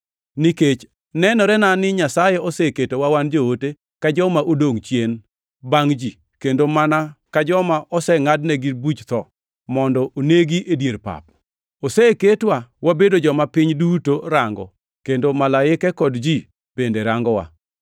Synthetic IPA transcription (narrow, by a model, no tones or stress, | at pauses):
niket͡ʃ | nɛnɔɾɛnanɪɲasajɛɔseketowawand͡ʒoote | kad͡ʒɔmaʔodoŋt͡ʃjen | baŋd͡ʒi | kendomanakad͡ʒɔmaʔɔsɛŋadnɛɡibut͡ʃt̪ɔ | mɔndɔʔoneɡiʔedjeɾpa̰p̚ | osɛketwawabedod͡ʒɔmapɪɲdutoɾaŋɡɔ̰ | kendomalaɪkɛkɔdd͡ʒi | b̥endeɾaŋɡɔwa̰